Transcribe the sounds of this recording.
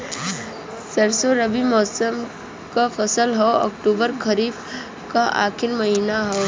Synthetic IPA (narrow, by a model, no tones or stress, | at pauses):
səɾsoɾəbimɔːsəm | kafʰəsəlɦɔɔ̰kʈuːbəɾkʰəɾiːb | kaʔa̰ːkʰɪlməɦinaɦɔː